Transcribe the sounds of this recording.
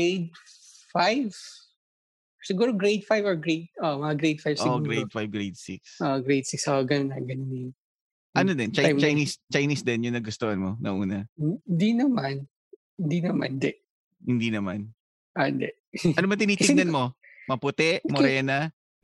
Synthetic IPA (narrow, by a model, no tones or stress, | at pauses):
ɡejd̪̚fajv | sɪɡuːɾoɡɾejd̪̚fajvɔɹɡɹejt̪̚ʔomɐɐɡɾejd̪̚fajvsoɪɡɡɾejd̪̚fajvɡɹejd̪siksʔoɡɾejd̪siksoɡɐnnɐɡɐnniŋ | ʔʔɐnod̪ɛnt͡ʃat͡ʃajnist͡ʃajnisd̪ɛnjʊŋnɐɡʊst̪ohɐnmonɐ̰ʔuːnɐhnd̪inɐman | hɪnd̪inɐma̰nd̪ɛʔ | hɪnd̪inɐman | ʔɐnd̪ɛ | ʔɐnomɐnt̪ɪniːɪnɐnmo | mɐpʊt̪ɛʔmoɾɛːnɐ